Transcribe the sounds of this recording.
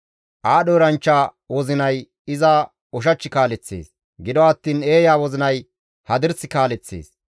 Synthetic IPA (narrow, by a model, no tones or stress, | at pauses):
ʔaːɗɔːɾɐnt͡ʃːaː | wɔzɪnɐj | ɪza | ɔʃ̬ɐt͡ʃːɪkaːlɛt͡sːḛːs | ɡɪd̪ɔɐt̪ːiːne̞ːjaːwɔzɪnɐj | hɐd̪ɪɾsɪkaːlɛt͡sːḛːs